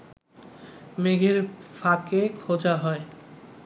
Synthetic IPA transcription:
meɡʱeɾfakekʰod͡ʑaɦɔe

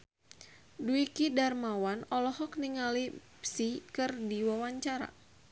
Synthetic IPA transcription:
duikidarmawanɔlɔhɔk̚niŋalipsikɨrdiwawaɲt͡ʃaɾa̰

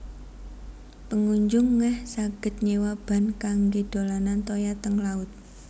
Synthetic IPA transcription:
pəŋuɲd͡ʒʊŋːɛhsaɡ̥ə̤t̪̚ɲewab̥a̤nkaŋɡed̥o̤lanant̪ojat̪əŋlaʊt̪̚

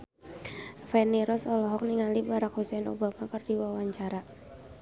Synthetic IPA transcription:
fɛniɾɔsɔlɔɦɔk̚niŋalibaɾak̚husɛno̰bamakɨrdiwawaɲt͡ʃaɾa

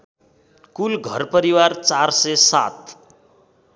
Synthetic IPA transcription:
kulɡʱʌrpʌɾiwart͡sarsesa̰t̪̚

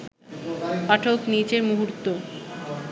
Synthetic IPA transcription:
paʈʰoknit͡ɕeɾmuɦuɾt̪ːo

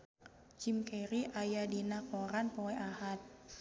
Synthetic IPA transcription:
t͡ʃimkɛɾiʔajadinakoɾanpoɛʔahat̪̚

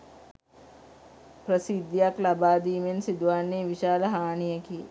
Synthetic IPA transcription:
pɾəsid̪jaklabaːd̪iːmensid̪ʋaːnːeːʋiʃaːləɦaːɳijəkiḛ

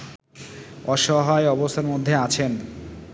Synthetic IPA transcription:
ɔʃɔɦaeɔbost̪ʰaɾmod̪ʱːeat͡ɕʰen

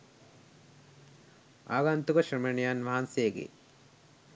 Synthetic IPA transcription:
a̰ːɡant̪ukɐʃɾɐmeɳijanʋɐɦanseːɡḛ

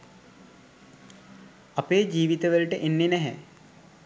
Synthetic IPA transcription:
ɐpeːd͡ʒiːʋit̪əʋəlʈəʔenːenɛɦɛ̰

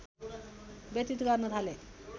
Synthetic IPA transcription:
bet̪it̪ɡaɾnət̪ʰale

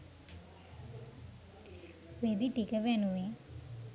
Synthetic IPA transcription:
ʋed̪iʈikəʋɛnue

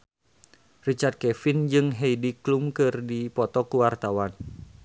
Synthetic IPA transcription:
rit͡ʃart̪̚kɛfind͡ʒɨŋɦɛidiklumkɨrdipɔt̪ɔkuwart̪awan

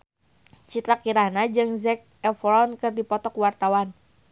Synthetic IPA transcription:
t͡ʃit̪ɾakiɾahnad͡ʒɨŋzɛk̚ɛfɾɔnkɨrdipɔt̪ɔkwart̪awan

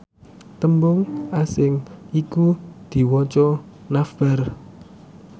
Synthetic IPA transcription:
t̪əmbʊŋasɪŋikud̪̥i̤wɔt͡ʃɔ | nafb̥ar

